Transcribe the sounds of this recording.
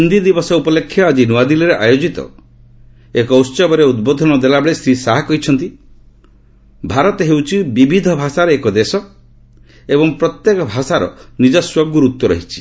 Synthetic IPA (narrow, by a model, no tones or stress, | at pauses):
und̪id̪ibɔsɔupɔlekʰːjɔad͡ʒinuad̪ilɔɾeʔajod͡ʒit̪ɔ̰ | ekɔussɔbɔɾeud̪bod̪ʱɔnɔd̪elabeɭest̪ɾisaɦakɔɦit͡ʃʰɔnt̪i | bʱaɾɔt̪ɔɦewt͡ʃʰibibʱid̪ʱɔbʱasaɾɔekɔd̪esɔ | ebɔŋpɾɔt̪jekɔbʱasaɾɔ̰nid͡ʒɔswɔɡuɾut̪jɔɾɔ̰ɦit͡ʃʰi̥